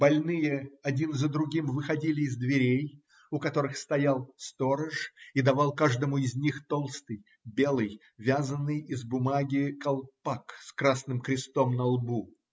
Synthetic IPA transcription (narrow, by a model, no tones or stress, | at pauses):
bɐlʲnɨjəɐdʲinzəd̪ɾʊɡʲimvɨxɐdʲilʲɪːzd̪vʲɪɾʲej | ʊkɐt̪o̞ɾɨxst̪ɐjalˠst̪o̞ɾəʂid̪ɐvɑlˠkaʐd̪əmʊɪzʲnʲixt̪o̞lˠst̪ɨj | bʲe̞lˠɨj | vʲazənːɨjɪzbʊmaɡʲɪkɐlˠpakskɾasnɨmkɾʲɪst̪o̞mnɐlˠbu